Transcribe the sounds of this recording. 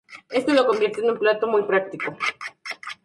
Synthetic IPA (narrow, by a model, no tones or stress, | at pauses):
e̞st̪olo̞ko̞mbje̞ɾt̪eːnũmplat̪o̞mujpɾak̚t̪iko̞